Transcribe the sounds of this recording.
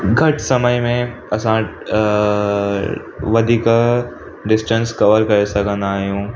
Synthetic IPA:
ɡʱɐʈʰsɐməjmẽ | ɐsã | ʋɐd̪ʱiːk | ɖɪsʈə̃nskɐʋəɾkɐɾesɐkʰə̃nd̪aːɦijũː

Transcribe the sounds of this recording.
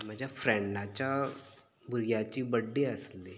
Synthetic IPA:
məd͡ʒafɾɛ̃ɳɖat͡ʃa | bʊɾijat͡ʃibəɖːeəsle

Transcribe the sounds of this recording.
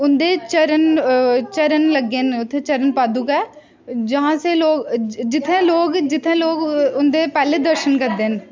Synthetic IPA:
ʊnd̪eːt͡ʃəɾənt͡ʃəɾənləɡːeːnʊt̪ʰːẽːt͡ʃəɾənpaːd̪uːkɛː | d͡ʒəɦãːseːloːɡd͡ʒɪt̪ʰːẽːloːɡd͡ʒɪt̪ʰːẽːloːɡʊnd̪eːpɛːleːd̪əɾʃənkəɾd̪eːn

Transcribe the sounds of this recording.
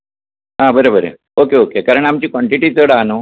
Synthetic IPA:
ɦãbəɾebəɾḛ | okeokekaɾəɳ̃amt͡ɕiːkʋɔɳʈiʈiːt̪əɽaːno

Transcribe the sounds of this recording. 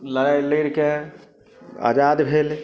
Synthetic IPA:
ləɾajləɾke | a̰ːd͡ʒaːd̪bʱeːl

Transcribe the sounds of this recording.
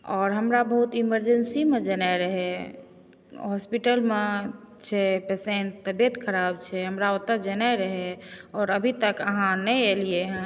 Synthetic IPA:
ɔːɾɦəmɾabəɦut̪iməɾd͡ʒənsimed͡ʒənaɾəɦɛ | ɦɔspiʈəlme | t͡ʃʰɛpesẽɳʈ̚t̪əbet̪kʰəɾabt͡ʃʰɛɦəmɾaot̪ːəd͡ʒənajɾəɦɛɔːɾəbʱit̪əkəɦãnɛelieɦɛ̃

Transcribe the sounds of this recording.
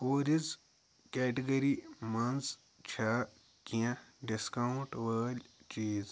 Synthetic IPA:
koːɾiz | keːʈiɡɐɾimɐnz | t͡ʃʰaː | kijãɖiskɐuɳʈʋəːlʲt͡ʃiːz

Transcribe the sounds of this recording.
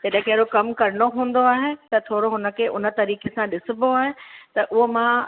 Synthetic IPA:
d͡ʑɐɗə̃ɦkʰeɾokɐmkɐɾɪɽ̃oɦũːnd̪oaːɦet̪ɐt̪ʰoːɾoɦʊnə̆kʰeːʔʊnə̆t̪ɐɾiːkesãɗɪsɪboaːɦet̪ɐʔʊɦomã

